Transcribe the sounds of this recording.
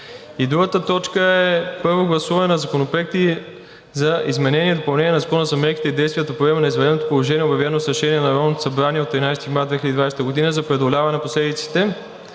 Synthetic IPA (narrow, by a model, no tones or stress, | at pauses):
id̪ɾuɡət̪ət̪ɔt͡ʃkəɛpɤɾvoɡlˠɐsuvɐnɛnɐzɐkonopɾoɛk̚t̪i | zɐizmɛnɛnʲiɛd̪opɐlˠnɛnʲiɛnɐzɐkɔnəzɐmɛɾki̥t̪ɛid̪ɛjst̪vʲiət̪ɐpɾoɛmɐnɐizvɛdɛd̪not̪o̥polˠoʒɛnʲiɛobjɐvɛnɛnosɾɐʃɛniɛnɐɾɔvnot̪o̥sɐbɾaniɛot̪ːɾinajsɛt̪imaɾd̪vɛxiləd̪id̪vajst̪əɡod̪inəzɐpɾɛd̪olʲavɐnɛnposlɛd̪it̪si̥t̪ɛ